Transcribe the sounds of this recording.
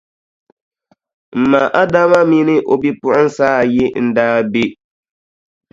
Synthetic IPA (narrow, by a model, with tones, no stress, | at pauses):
m̩˨ma˨ʔa˦da˦ma˦mi˦nɪ˦ʔo˨bi˦pʊ˦ʔʊ˦n̩˦saː˦˨jɪ˦n̩˦daː˦be˦